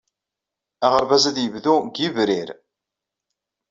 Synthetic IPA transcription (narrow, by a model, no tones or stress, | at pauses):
æʁəɾvæzæðjəvðuɡivɾiɾ